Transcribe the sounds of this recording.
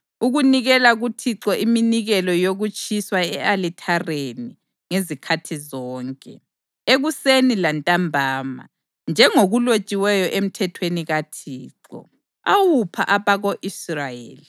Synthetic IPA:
uɣuniɣɛlaɣutʰiǁɔʔiminiɣɛlɔjoɣut͡ʃʼiswaɛalitʰareni | ŋezikʰatʰizɔːŋkʼɛ | eɣusenilantʼambʱaːma̰ | nd͡ʒʱɛŋoɣulot͡ʃʼiwɛjɔʔem̩tʰɛtʰweniɣatʰiːǁɔ̰ | a̰wupʰaʔaβaɣoʔisrajḛːli

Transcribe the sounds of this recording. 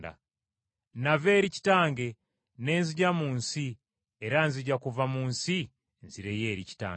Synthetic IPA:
da̰ | nave̞ɾici̥taːŋɡe̞ | ne̞ːnziɟamuːnsi | eɾanziɟakuvamuːnsi | nziɾejeːɾici̥ta̰ː

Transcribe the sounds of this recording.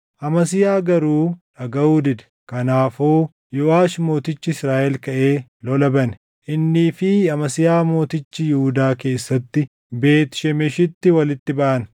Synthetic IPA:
ʔɐmɐsɪjaːɡɐɾuːᶑɐɡɐwuːd̪ɪd̪ɛ̥ | kɐnaːfoː | jɔʔaːʃmo̞ːt̪ɪt͡ʃːɪɪsɾaːʔɛlkɐʔe̞ːlɔlɐbɐn | ʔɪnːiːfɪɐmɐsɪjaːmo̞ːt̪ɪt͡ʃːɪjɪhʊd̪aːke̞ːsːɐt̪ːɪ | be̞ːt̪ɪ̥ʃɛmɛʃɪt̪ːɪwɐlɪt̪ːɪbɐʔɐn

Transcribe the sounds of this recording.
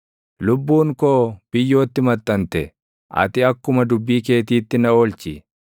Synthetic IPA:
lʊbːuːŋkoːb̥ɪjːo̞ːt̪ːɪmɐt̪ʼːɐnt̪ɛ | ʔɐ̰t̪ɪɐkːʊmɐd̪ʊbːiːke̞ːt̪iːt̪ːɪnɐoːlt͡ʃɪ

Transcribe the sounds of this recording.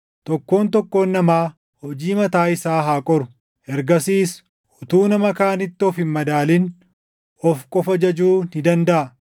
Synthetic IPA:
t̪ɔkːo̞ːnt̪ɔkːo̞ːnːɐmaː | hɔd͡ʒiːmɐt̪aːɪsaːɦaːkʼɔɾʊ̥ | ʔɛɾɡɐsiːs | ʊt̪uːnɐmɐkaːnɪt̪ːɪɔfɪmmɐd̪aːlɪn | ɔfkʼɔfɐd͡ʒɐd͡ʒuːnɪd̪ɐnd̪ɐʔɐ

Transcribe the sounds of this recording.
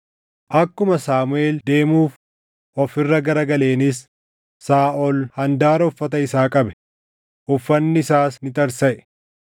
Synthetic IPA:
ʔɐkːʊmɐsaːmʊe̞ːld̪e̞ːmuːf | ʔɔfɪrːɐɡɐɾɐɡɐle̞ːnɪsː | aːʔɔlhɐnd̪aːɾɔfːɐt̪ɐɪsaːkʼɐbɛ̥ | ʔʊfːɐnːɪɪsaːsnɪt̪ɐɾsɐʔɛ

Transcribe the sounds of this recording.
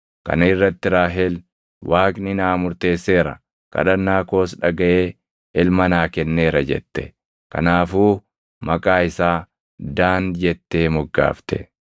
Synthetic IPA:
kɐ̰nɪrːɐt̪ːɪɾaːɦɛl | wʔaːkʼnɪnaːmʊɾt̪e̞ːsːe̞ːɾɐ̰ | kɐ̰ᶑɐnːaːko̞ːsᶑɐɡɐʔeː | ɪlmɐnaːkɛnːeːɾɐd͡ʒɛ̰t̪ːɛ | kɐ̰naːfuː | mɐkʼaːɪsaː | d̪aːnd͡ʒɛt̪ːe̞ːmɔɡːa̰ːft̪ɛ̰

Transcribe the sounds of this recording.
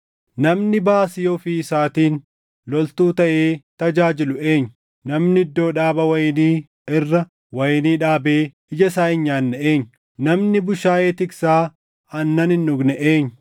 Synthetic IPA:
nɐmnɪbaːsɪjoːfiːɪsaːt̪iːn | lɔlt̪uːt̪ɐʔe̞ːt̪ɐd͡ʒaːd͡ʒɪlʊe̞ːɲːʊ | nɐmnɪɪd̪ːo̞ːᶑaːbɐwɐjniː | ɪrːɐ | wɐjniːᶑaːbeː | ɪd͡ʒɐsaːʔɪɲːaːnːɐʔeːɲːʊ | nɐmnɪbʊʃaːjeːt̪ɪksaː | ɐnːɐnɪnːʊɡnɛʔeːɲːʊ̥

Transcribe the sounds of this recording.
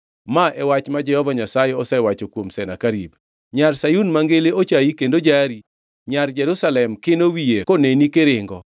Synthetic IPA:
maʔɛwat͡ʃmad͡ʒɛhɔvaɲasajeɔsɛwat͡ʃokwomsɛnakaɾḭb | ɲarsajunmaŋɡeleot͡ʃaikendod͡ʒaɾi | ɲard͡ʒɛɾusalɛmkenowijekonenikeɾɪŋɡɔ

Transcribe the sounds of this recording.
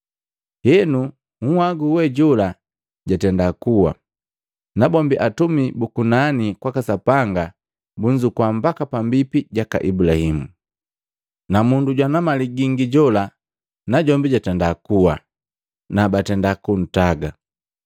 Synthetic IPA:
hɛnu | ŋ̩waɡuwɛɟɔla | ɟatɛndakuwa̰ | nabɔmbiʔatumibukunanikwakasapaŋɡa | buɲd͡ʒukwambakapambipiɟaka̰ʔibulahimu | namunduɟwanamaliɡiŋɡiɟɔla | naɟɔmbiɟatɛndakuwa̰ | nabatɛndakun̩taɡa

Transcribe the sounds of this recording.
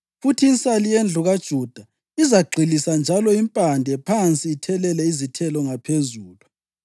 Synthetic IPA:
futʰiːnt͡sʼalijend͡ɮʱuɣad̥ʒ̥ʱud̥ʱa | izaɡ͡ǃʱilisand͡ʒʱalɔimpʼandʱɛpʰant͡sʼiːtʰɛlɛlɛizitʰɛlɔŋapʰezuːlu

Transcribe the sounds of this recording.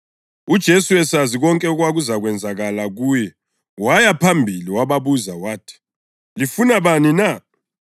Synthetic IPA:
ud̥ʒ̥ʱesuwɛsaziɣɔŋkʼɛuɣwaɣuzaɣwɛnd͡zʱaɣalaɣuːjɛ | wajapʰambʱiliwaβaβuzawaːtʰi̥ | lifunaβanina

